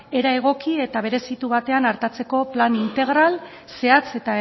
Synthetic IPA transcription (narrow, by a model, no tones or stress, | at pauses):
e̞ɾae̞ɣ̞o̞kie̞t̪aβ̞e̞ɾe̞sit̪uβ̞at̪e̞anaɾt̪at͡se̞ko̞planint̪e̞ɣ̞ɾal | se̞at͡se̞t̪a